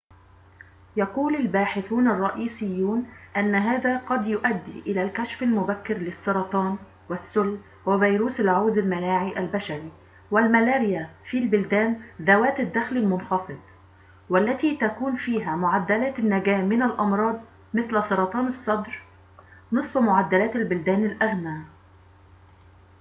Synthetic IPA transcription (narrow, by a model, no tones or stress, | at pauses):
jɑquːlalbaːħɪθuːnɑrˤːɑʔiːsɪjːuːnʔanːɦaːðæqɑd̪jʊʔæd̪ːḭʔɪlæːlkæʃfalmʊbækːɪɾlɪsˤːɑɾˤɑt̪ˤɑːn | wɪsːʊlː | wɪvijɾuːsɪlʕoːd̪ɪlmanaːʕiːʔalbaʃaɾi | wɪlmalaːɾɪjafilbʊld̪æːnðawæːt̪ɪd̪ːæxlɪlmʊnxɑfɨd̪̚ˤ | wɪlːæt̪it̪ækuːnfiːɦæmʊʕad̪ːalæːt̪ɪnːæɡæːmːɪnalʔɑmɾˤɑːd̪ˤ | mɪθlsˤɑɾˤɑt̪ˤɑːnɨsˤːɑd̪ɾ | nɨsˤbmʊʕad̪ːælæːt̪albʊld̪æːnɪlʔaɣnaː